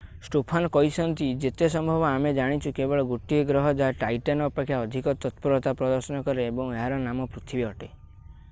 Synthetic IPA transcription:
sʈopʰanɔkɔɦisɔnt̪id͡ʒet̪esɔmbʱɔbɔamed͡ʒaɽ̃it͡ʃʰukebɔɭɔɡuʈːieɡɾɔɦɔd͡ʒaɦʈajʈanɔːpekʰːjaɔd̪ʱikɔt̪ɔt̪pɔɾɔt̪apɾɔd̪ɔɾsɔnɔkɔɾeːbɔ̃ŋeɦaɾɔnamɔpɾut̪ʰibiɔʈe

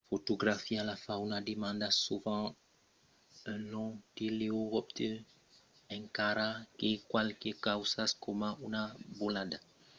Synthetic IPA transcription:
fot̪oɡɾafialafãunademãnd̪asuvɑ̃ | ə̃nɔ̃teleoɔp̚t̪e | ɛ̃ŋkaɾakekwalkekawsaskomãʔunabolada

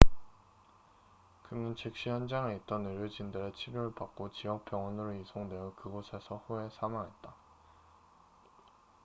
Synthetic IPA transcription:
kɯnɯnt͡ɕʰek̚ɕ͈içjʌnd͡ʑaŋe̞it͈ʌnɯɾjod͡ʑindɯɾe̞t͡ɕʰiɾjoɾɯɭpak̚k͈ot͡ɕijʌk̚p͈jʌŋwʌnɯɾoisʰoŋdwe̞jʌkɯɡosʰe̞sʰʌɸue̞sʰamaŋɦe̞t̚t͈a

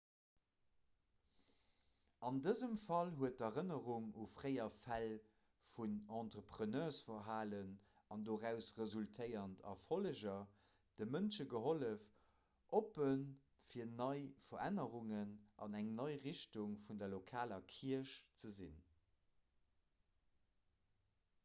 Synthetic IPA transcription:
ɑndəzəmfɑlɦuət̚dɐʁənəʁuŋufʁəɪɐfæl | funɑ̃ntʁəpχənœːsfɐɦaːlən | ɑndoːʁæʊsʁəzultʰəɪɐntʰɑ̰foləʒɐ | d̥əmənʃəɡəɦoləf | ʔopən | fiːɐnɑɪfɐʁænəʁuŋənʔɑ̰næŋnɑɪʁiʃtuŋfundɐlokʰaːlɐkʰiɐəʃt͡səzin

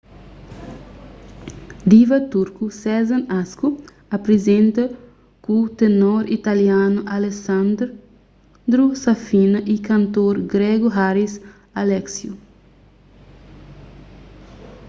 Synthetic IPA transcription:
d̪ivɐt̪uɾkusɛzɐ̃nasku | ɐpɾezẽnt̪ɐ | kut̪enoɾit̪aljãnuʔalesãnd̪ɾ | d̪ɾusafinɐʔikɐ̃nt̪oɾɡɾɛɡuɦaɾis | alɛksju

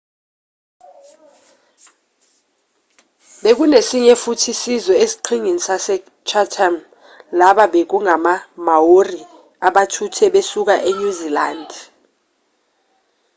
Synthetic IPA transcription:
ɓek̬unesiɲɛfutʰisizɔesi̥ǃʰiŋinisasɛ | t͡ʃʰatʰam | laɓaɓek̬uŋamamawori | aɓatʰutʰɛɓesuk̬aʔeɲuzilaːnd

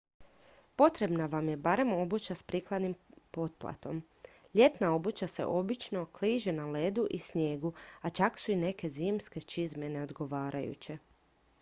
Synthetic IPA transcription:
po̞t̪ɾe̞bnaʋamje̞baɾe̞mo̞but͡ɕaspɾiklˠad̪nimpo̞t̪̚plˠa̰t̪o̞m | ʎe̞t̪nao̞but͡ɕase̞̰ʔo̞bit͡ʃno̞kliːʒe̞nale̞d̪uʔisɲje̞ːɡuat͡ʃaksuine̞ke̞ziːmske̞t͡ʃizme̞ne̞o̞d̪ɡo̞ʋaːɾʔajṵt͡ɕe̞

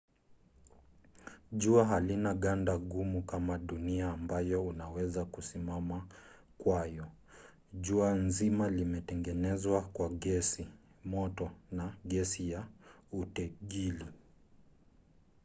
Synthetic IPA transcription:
ʄuaɦalinaɠandaɠumukamaɗuniaːmbajɔunawɛzakusimama | kwajɔ | ʄuanzimalimɛtɛŋɡɛnɛzwakwaɠɛsi | mɔtɔnaɠɛsijautɛʄili

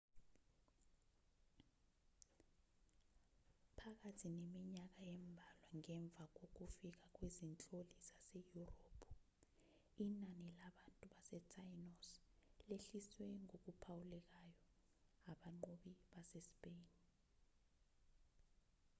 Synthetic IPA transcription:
pʰak̬atʰinemiɲak̬ajɛmbʱalwaŋɛɱb̪vʱak̬ok̬ufik̬ak̬wezint͡ɬʼolizasejuroːpʰu | inanɛlaɓantʼuɓasɛtʰʼajnosleɬiswɛŋok̬upʰawulɛk̬ajɔ | aɓaŋ͡ǃoɓiɓasespʼeːni

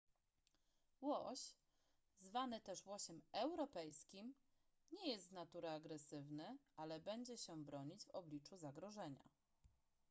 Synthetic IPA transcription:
wɔɕ | zvanɘt̪ɛʂwɔɕɛmɛwɾɔpɛjskʲim | ɲɛjɛst̪nat̪uɾɛaɡɾɛsɘvnɘalɛbɛɲd͡ʑɛɕɛbɾɔɲid͡ʑvɔblʲit͡ʂuzaɡɾɔʐɛɲa̰

